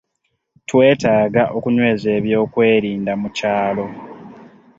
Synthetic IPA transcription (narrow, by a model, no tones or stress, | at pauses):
twe̞ːtaːɡaʔo̞kuɲwe̞ːzeːβjo̞ːkwe̞ːɾiːndamucaːlo̞